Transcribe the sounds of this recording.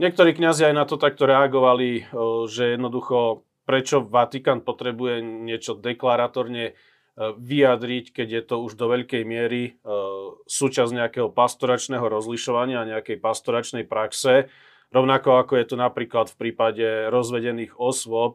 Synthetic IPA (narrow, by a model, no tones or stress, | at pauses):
ɲɪɛk̚t̪ɔɾiːkɲaziajnat̪ɔt̪ak̚t̪ɔɾɛaɡɔʋaliʒɛjɛd̪nɔd̪uxɔ | pɾɛt͡ʃɔʋat̪ikaːnpɔt̪ɾɛbujɛɲɪɛt͡ʃɔd̪ɛklaɾat̪ɔɾɲɛ | ʋiad̪ɾickɛɟjɛt̪ɔuʒd̪ɔʋɛʎkɛjmɪɛɾi | suːt͡ʃazɲɛakɛːɦɔpast̪ɔɾat͡ʃnɛɦɔɾɔzliʃɔʋaɲɪaːɲɛakɛjpast̪ɔɾat͡ʃnɛjpɾaksɛ | ɾɔʊnakɔakɔjɛt̪unapɾiːklat̪fpɾiːpaɟɛɾɔzʋɛɟɛniːɣɔsʋɔp̚